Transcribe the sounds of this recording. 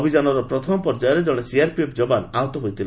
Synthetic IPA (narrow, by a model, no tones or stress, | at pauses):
bʱid͡ʒanɔɾɔpɾɔt̪ʰɔmɔpɔɾd͡ʒajɔɾed͡ʒɔɽ̃esiaɾpepd͡ʒɔbanaɦɔt̪ɔɦojt̪ʰil